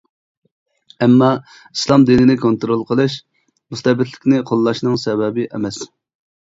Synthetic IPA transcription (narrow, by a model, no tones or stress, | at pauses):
ɛmːɑ | islˠɑmd̪inɪnɪkʰont̪ɾolˠqʰəlˠɨʃ | must̪ɛbɪt̪ʰlɪ̥kʲnɪqʰolˠːɑʃnɨŋsɛbɛbɪʔɛmɛs